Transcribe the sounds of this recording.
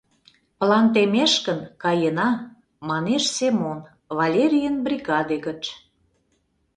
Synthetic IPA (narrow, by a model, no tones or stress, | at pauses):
pəlɑnt̪emeʃkənkɑjənɑ | mɑneʃsemon | vɑlʲeɾʲijənbrʲiɣɑd̪eɣət͡ɕ